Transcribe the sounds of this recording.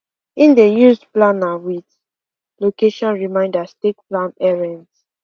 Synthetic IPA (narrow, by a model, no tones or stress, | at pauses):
ĩndejusdplãnawit | lokeʃɔ̃nɹimãɪ̃ndastet̚plãnɛɹɛ̃nd